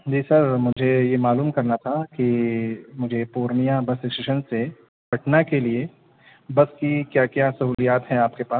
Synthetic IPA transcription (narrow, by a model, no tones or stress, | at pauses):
d͡ʒiːsɐɾmʊd͡ʒʱejemaːluːmkɐɾnat̪ʰakimʊd͡ʒʱepuːɾnijãbɐsɪkʃeʃənse | bɐʈnakelie | bɐskikjaːkjaːsɐɦuːlijaːt̪ɦɛ̃aːp̚kepaːs